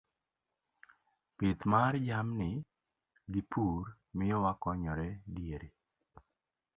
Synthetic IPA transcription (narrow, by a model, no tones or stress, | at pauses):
pɪt̪mard͡ʒamnɪ | ɡipʰuɾ | mɪjɔwakɔɲɔɾɛdjeɾe